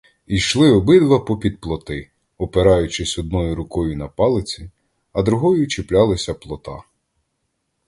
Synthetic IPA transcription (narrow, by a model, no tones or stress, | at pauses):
ijʃlˠɪɔbɪd̪ʋɐpɔpʲid̪̚plˠɔt̪ɪ | ɔpeɾɑjʊt͡ʃɪsʲɔd̪nɔjʊɾʊkɔjʊnɐpɑlˠɪt͡sʲi | ɐd̪ɾʊɦɔjʊt͡ʃɪplʲɑlˠɪsʲɐplˠɔt̪ɑ